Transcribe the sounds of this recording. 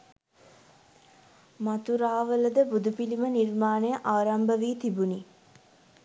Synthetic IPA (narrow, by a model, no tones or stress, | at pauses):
mat̪uɾaːʋələd̪əbud̪upilimənirmaːnejəʔaːɾɐmbəʋiːt̪ibuni